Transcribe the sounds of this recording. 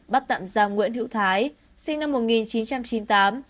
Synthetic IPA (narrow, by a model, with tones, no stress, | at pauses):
ɓa˦˥t̚t̪a̰ː˧˨mzaː˨˩wŋwḭ˧˥ənɦḭ˧˥wt̪ʰaː˨˦j | sï˧ŋ̟na˧mːo˨˩t̚ŋi˨˩nt͡ɕi˨˦nt͡ɕa˧mt͡ɕi˨˦nt̪aː˨˦m